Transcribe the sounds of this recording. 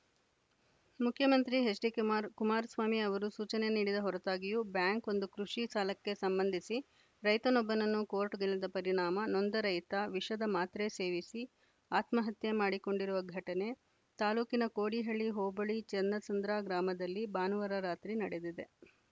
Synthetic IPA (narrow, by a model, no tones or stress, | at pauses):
mukʰːjɐmɐnt̪ɾiɦesɾikːɾkumaːɾɐsʋaːmiɐʋɐɾusuːt͡ʃɐne̞niːɽid̪ɐɦɔɾɐt̪aːɡijuːbjaːŋko̞nd̪ukɾuʂisaːlɐkːe̞sɐmbɐnd̪ʱisi | ɾɐjt̪ɐnobːɐnɐnːukoːɾʈɡɐɭːɐd̪ɐpɐɾiɳaːmɐnond̪ɐɾɐjt̪ɐʋiʂɐd̪ɐmaːt̪ɾe̞se̞ːʋisi | aːt̪mɐɦɐt̪jemaːɽiko̞ɳɖiɾuʋɐɡʱɐʈɐne̞ | t̪aːluːkinɐkoːɽiɦɐɭiɦoːbɐɭit͡ʃɐnd̪ɐt͡ʃɐnd̪ɾaːɡɾaːmɐd̪ɐlːibaːnɐʋɐɾɐɾaːt̪ɾinɐɽe̞d̪id̪e̞